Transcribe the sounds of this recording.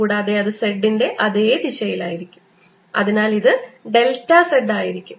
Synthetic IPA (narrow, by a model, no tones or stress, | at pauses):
uːɽeɐðeɐðɨseɖːinde̞ʔɐðeːd̪iɕɐjilaːjiɾikʲːu̥m | ɐ̰ðinaːliðɨɖe̞ltːɐseɖːaːjiɾikʲːum